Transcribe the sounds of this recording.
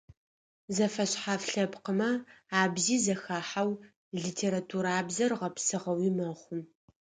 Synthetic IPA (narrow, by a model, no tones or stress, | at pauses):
zɐfɐɕħafɬɐpqəmɐaːbziːzɐxaːħaw | ɮiːtʰeːɾatʰuːɾaːbzɐrʁɐpsɨʁɐwiːmɐχʷʊm